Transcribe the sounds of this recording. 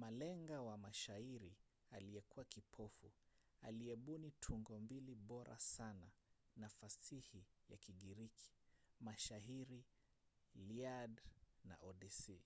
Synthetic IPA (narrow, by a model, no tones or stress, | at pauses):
malɛŋɡawamaʃaiɾi | aliɛkuwakipʰɔfṵ | a̰liɛɓunitʰuŋɡɔmbiliɓɔɾʔa̰sananafasihija̰kiɠiɾikʰi̥maʃaɦiɾi | liadna̰ʔɔɗɛsi